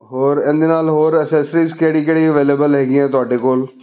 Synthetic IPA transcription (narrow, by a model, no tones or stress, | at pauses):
ɦoːɾɪ̃nd̪eːnaːlɦoːɾəsɛːsɾiːzkeːɽiːkeɽiːəʋeːleːbəlɦɛːɡiɛ̃ːt̪ʊaːɖeːkoːl